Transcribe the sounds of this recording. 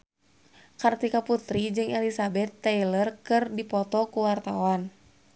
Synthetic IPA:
kart̪ikaput̪ɾid͡ʒɨŋɛlisabɛt̪ːɛjlərkɨrdipɔt̪ɔkuwart̪awan

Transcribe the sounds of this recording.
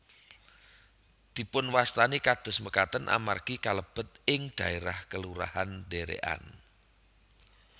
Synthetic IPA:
d̪̥i̤pʊnwast̪anikad̪̥ʊ̤sməkat̪ənʔa̰markikaləb̥ə̤t̪̚ɪŋd̪̥ä̤eɾahkəluɾa̰hand̪eɾḛʔa̰n

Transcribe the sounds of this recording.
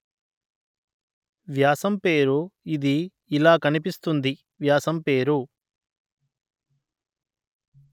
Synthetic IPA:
ʋjaːsɐmpe̞ːɾuid̪iː | laːkɐnipist̪und̪i | ʋjaːsɐmpe̞ːɾu

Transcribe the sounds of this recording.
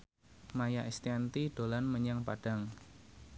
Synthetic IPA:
majaʔist̪iant̪iɖ̥o̤lanməɲaŋpaɖ̥a̤ŋ

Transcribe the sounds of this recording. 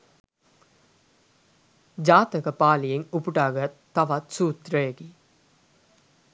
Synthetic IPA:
d͡ʒaːt̪əkəpaːlijeŋupuʈaːɡɐt̪ːɐʋat̪suːt̪ɾəjəɡi

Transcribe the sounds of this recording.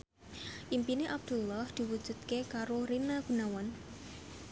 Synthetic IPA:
ʔimpineʔab̚d̪̥ulːɔhd̪̥i̤wud̥ʒ̥ṳt̪̚kekaɾoɾinaɡ̥ṳnawan

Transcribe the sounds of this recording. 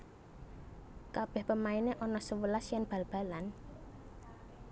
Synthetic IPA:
kab̥ɛhpəmaineʔɔnɔsəwəlasjanb̥ä̤lb̥a̤lan

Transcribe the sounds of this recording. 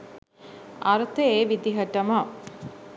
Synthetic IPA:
ɐɾɐt̪əeːʋid̪iɦɐʈɐmɐ

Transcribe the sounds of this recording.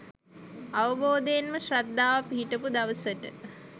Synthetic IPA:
aʋəboːd̪ejenməʃrad̪ːaːʋapiɦiʈəpud̪aʋəsəʈə

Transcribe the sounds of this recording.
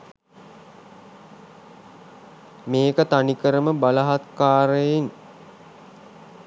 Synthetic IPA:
meːkət̪anikəɾəməbalaɦat̪kaːɾəjiŋ

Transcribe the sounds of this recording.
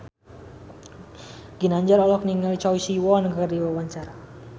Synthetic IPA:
ɡinaɲd͡ʒaɾɔlɔk̚niŋalt͡ʃɔwisiwɔnəɡardiwawaɲt͡ʃaɾa

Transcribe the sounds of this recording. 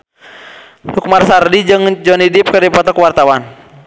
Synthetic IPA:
hukumarsardid͡ʒɨŋd͡ʒɔnidip̚kərdipɔt̪ɔkwart̪awan

